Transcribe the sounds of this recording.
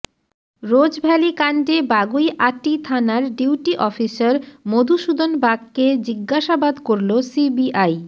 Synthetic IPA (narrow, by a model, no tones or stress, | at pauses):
ɾod͡ʑbʱɛlikaɳɖebaɡujʔaʈːit̪ʰanaɾɖiwʈiʔɔfisaɾmod̪ʱuʃud̪ʱonbaɡked͡ʑiɡːaʃabad̪koɾlosibiʔaj